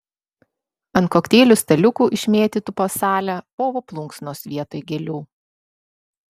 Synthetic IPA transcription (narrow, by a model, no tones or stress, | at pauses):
ɐnt̪̚koːkt̪ʲeːlʲʊsʲt̪ʲɐlʲʊkuːʔɪʃʲmʲeːt̪ʲit̪ʊpoːsɑːlʲæpoːʋoplˠʊŋksnoːsʋʲiɛt̪oːjɡʲɛlʲuː